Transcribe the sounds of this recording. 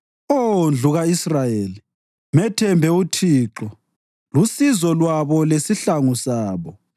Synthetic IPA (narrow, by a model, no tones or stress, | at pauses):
ond͡ɮʱuɣaisrajeːli | mɛtʰɛmbʱɛutʰiːǁɔ | lusizɔlwaβɔlesiɬaŋusaːβɔ